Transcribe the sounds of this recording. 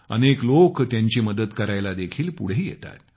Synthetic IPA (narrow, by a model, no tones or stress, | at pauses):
ə̰neklokt̪jaɲt͡ɕiːməd̪ət̪kəɾajlad̪ekʰiːlpṵɽ̤eːjḛt̪a̰t̪̚